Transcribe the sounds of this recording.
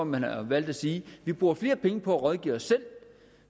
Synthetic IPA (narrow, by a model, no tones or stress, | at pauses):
ɒmænɑʋæl̰d̥æsiːʋib̥ʁuːɐfle̝ːɐpʰeŋəpʰɒ̽æʁɒðˠɡ̥ḭːɒsːel̰